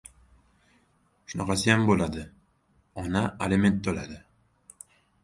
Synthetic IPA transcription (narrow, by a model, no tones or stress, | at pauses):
ʃʊnɑqɑsɪjambolad̪ɪ | ɒnaeleme̞nt̪̚d̪olad̪ɪ